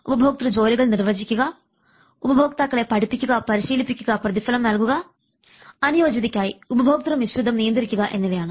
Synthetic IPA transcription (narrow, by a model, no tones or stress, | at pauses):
ubɐbʱoːk̚t̪ɾɐd͡ʒo̞ːliɡɐɭniɾʋɐd͡ʒikʲːuɡaː | ubɐbʱoːk̚t̪aːkːɐɭeːpɐɽipikʲːuɡaːpɐɾiʃiːlipikʲːuɡaːpɾɐt̪̬ifɐlɐmnɐlɡuɡaː | ɐnijoːd͡ʒɐd̪ikʲːaːjiubɐbʱoːk̚t̪ɾɐmʋiʃɾud̪ʱːɐmnijɐnd̪iɾikʲːuɡaʔenːɐʋijaːnɐ